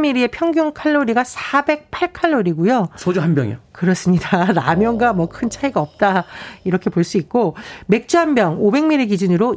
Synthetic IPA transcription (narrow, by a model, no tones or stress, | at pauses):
miɾie̞pʰjʌŋɡjoŋkʰaɭːoɾiɡasʰabe̞k̚pʰaɭkʰaɭːoɾiɡujosʰod͡ʑuɦanbjʌŋḛkɯɾʌs͈ɯmɲidanamjʌŋɡamwʌkʰɯnt͡ɕʰaiɡaʌp̚t͈aiɾʌkʰe̞poɭs͈uik̚k͈ome̞k̚t͡ɕ͈uɦanbjʌŋobe̞ŋmiɾiɡid͡ʑɯnɯɾo